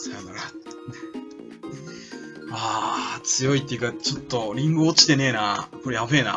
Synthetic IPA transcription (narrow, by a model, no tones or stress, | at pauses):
sanaɾa | aːt͡sɨjo̞it̪ʲːe̞jɯ̟kat͡ɕo̞t̪ːo̞ɾʲĩŋɡɯot͡ɕi̥t̪e̞ne̞ːnako̞ɾe̞jabe̞ːna̰